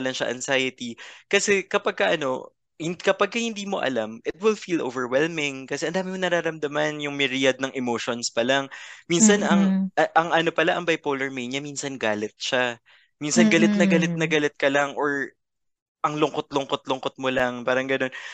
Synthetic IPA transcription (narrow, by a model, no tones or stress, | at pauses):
ɐlɐŋʃɐ̰ʔɐŋsajɪt̪ikɐsɛkɐpɐɡ̚kɐʔɐno̞̰ | hɪnkɐpɐɡ̚kɐhɪnd̪iːmo̞̰ʔɐ̰lamʔɪt̪̚wɪlfilʔovɛɹwɛlmɪŋkɐsɛʔɐnd̪aːmɪmonɐɾaːɾɐmd̪ɐmɐnjʊŋmɪɾijɐd̪̚nɐŋʔɛmoːʃonspɐlaŋminsɐnɐŋʔɐʔɐŋʔɐnopɐlaʔɐŋbɐjpoːlɛɹmejɲɐminsɐnɡaːlɪt̪̚ʃa | minsɐnɡɐlɪt̪̚nɐɡɐlɪt̪̚nɐɡɐlɪt̪̚kɐlaŋʔoɹ | ʔɐŋlʊŋkot̪̚lʊŋkot̪̚lʊŋkot̪̚molɐŋpaːɾɐŋɡɐno̞n